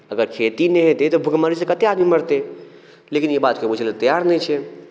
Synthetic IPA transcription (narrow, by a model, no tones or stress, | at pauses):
əɡəɾkʰet̪ineɦet̪et̪ɔbʱuɡmaɾisẽkət̪ead̪miməɾt̪e | lekinjibat̪kepud͡ʒʰʱelt̪əjaɾnɛjt͡ʃʰɛ